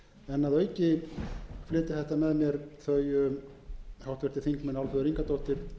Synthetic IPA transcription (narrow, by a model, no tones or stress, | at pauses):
ɛnːaðœɥcɪ | flɪːt̪ɪ̥θɛht̪amɛðmjɛɾθœɥjʏ | hawht̪vɛɾ̥t̪ɪ̥θiŋkmɛnalfœðʏɾiŋkat̪owht̪ɪɾ̥